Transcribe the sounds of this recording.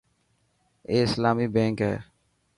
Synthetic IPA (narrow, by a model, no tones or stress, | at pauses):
eːɪslaːmiːbẽːŋkɦɛ̰ː